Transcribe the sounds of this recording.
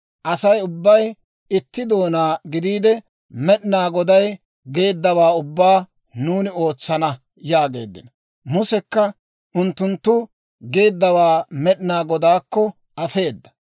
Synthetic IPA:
ʔɐsɐjʊbːɐj | ɪt̪ːɪd̪o̞ːnaːɡɪd̪iːd̪ɛ | mɛɗɪnaːɡɔd̪ɐj | ɡe̞ːd̪ːɐwaːʊbːaː | nuːnɪo̞ːt͡sːɐnɐ | jaːɡe̞̰ːd̪ːɪ̰nɐ | mʊsɛkːɐ | ʔʊnt̪ːʊnt̪ːʊ | ɡe̞ːd̪ːɐwaːmɛɗnaːɡɔd̪aːkːɔ | ʔɐfe̞ːd̪ːɐ̥

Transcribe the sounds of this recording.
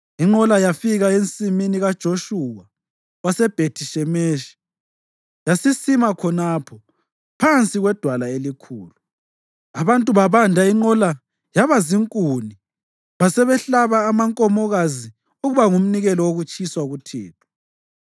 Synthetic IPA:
iŋ͡ǃɔlajafiɣaent͡sʼiminiɣad̥ʒ̥ʱoʃuwa | wasɛb̥ʱetʰiʃɛmeʃi̥ | jasisimakʰɔnapʰɔ | pʰant͡sʼiɣwɛd̥ʱwalaelikʰṵːlu | aβantʼuβaβandʱaiŋ͡ǃɔla | jaβaziŋkʼuni | βasɛβɛɬaβaːmaŋkʼɔmɔɣazi | uɣuβaŋum̩niɣɛlɔwoɣut͡ʃʼiswaɣutʰɛ̰ːtʰɔ̥

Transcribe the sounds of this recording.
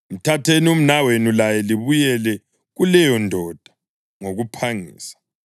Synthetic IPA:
im̩tʰatʰenium̩nawenulajɛliβujɛlɛ | ɣulɛjɔndʱɔd̥ʱḁ | ŋoɣupʰaŋḭːsḁ

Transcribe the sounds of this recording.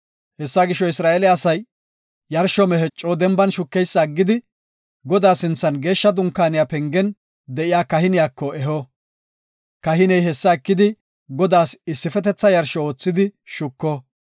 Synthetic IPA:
hɛsːaɡɪʃːɔɪsɾaːelɪɐsɐjː | ɐɾʃɔmɛɦɛt͡ʃʼːoːd̪ɛmbɐnʃʊkːɛjsːɐːɡːɪd̪ɪ | ɡɔd̪aːsɪnt͡sːɐnɡe̞ːʃːɐd̪ʊŋkːaːnɪjapɛŋɡɛn | d̪ɛʔɪjaːkɐhɪnɪjaːkːɔʔɛɦɔ | kɐɦɪnɛjɦɛsːɐɛkːɪd̪ɪ | ɡɔd̪aːsɪsːɪfɛt̪ɛt͡sːɐjɐɾʃɔoːt͡sːɪd̪ɪʃʊkːɔ

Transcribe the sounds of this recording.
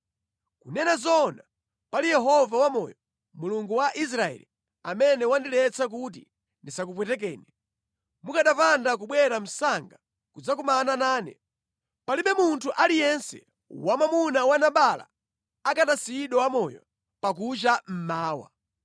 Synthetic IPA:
kunɛnazɔna | palijɛɦɔvawamɔjɔ | muluŋɡuwaʔis̬ɾaɛ̰li | amɛnɛwandilɛt͡sak̬ut̬ḭ | ndisakup̬wɛtɛk̬ɛːnɛ | mukaɗapandak̬uɓwɛɾam̩saŋɡa | kud͡zakumananaːnɛ̰ | paliɓɛmuntʰuʔalijɛnsɛ̰ | wamamunawanaɓala̰ | akatasiɗɔwamɔjɔ̰ | pak̬ut͡ʃam̩maːwa̰

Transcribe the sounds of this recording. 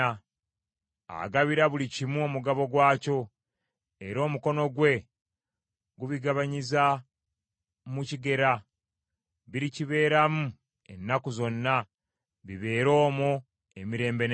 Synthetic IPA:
a̰ɡaβiɾaβulicimuomuɡaβo̞ɡwaːco̞ | eɾo̞ːmuko̞no̞ɡwe̞ | ɡuβiɡaβaɲiza | muciɡe̞ɾa | βiɾiciβe̞ːɾamu | enːakuzo̞nːa | βiβe̞ːɾo̞ːmo | e̞miɾe̞ːmbe̞n

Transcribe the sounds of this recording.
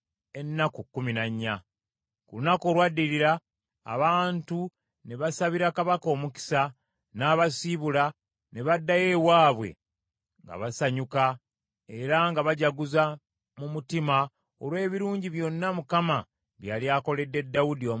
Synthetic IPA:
e̞nːakukːuminaɲːa | kulunako̞ːlwadːiɾiɾa̰ː | βaːntu | ne̞βasaβiɾakaβako̞ːmuki̥sa | naːβasiβula | ne̞βadːaje̞waːβwe̞̰ | ŋɡa̰βasaɲuka | e̞ɾaŋɡaβaɟaɡuza | mumutima | olwe̞ːβiɾuːɲɟiβjo̞nːamukama | βjaːliaːko̞le̞dːe̞dːawudio

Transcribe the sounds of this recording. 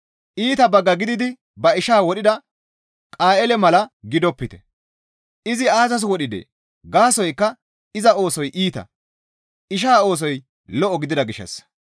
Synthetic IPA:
ʔiːt̪ɐbɐɡːɐɡɪd̪ɪd̪ɪ | bɐɪʃaːwɔɗɪd̪ɐ | kʼaːʔɛlɛmɐlɐɡɪd̪ɔpːɪt̪ɛ̥̰ | ʔɪzɪaːzɐs̬wɔɗɪd̪ḛ | ɡaːsɔjkːɐ | ɪzɐo̞ːsɔjʔiːt̪ɐ̰ | ɪʃ̬aːo̞ːs̬ɔj | lɔʔɔɡɪd̪ɪd̪ɐɡɪʃːɐ̰s

